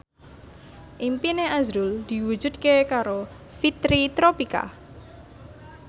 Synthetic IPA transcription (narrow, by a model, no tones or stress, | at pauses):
ʔimpineazɾʊld̪̥i̤wu̥d͡ʒ̥ṳd̪̚kekaɾo | fit̪ɾit̪ɾopika̰